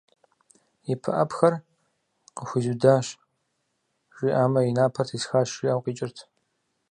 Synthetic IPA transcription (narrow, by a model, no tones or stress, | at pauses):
jɪpʰɨ̰ʔɐpxɐr | qəxʷʊzudaːɕ | ʒʷʼiʔaːmɐjinaːpʰɐrtʰisxaːʃiːawqiːt͡ʃʼɪrtʰ